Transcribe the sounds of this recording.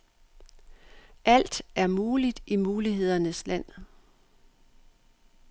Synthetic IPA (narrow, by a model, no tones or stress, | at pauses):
ʔæl̰d̥æɐmuːlid̥imuːliɦe̝ð̞̰ˠɐnəslæn̰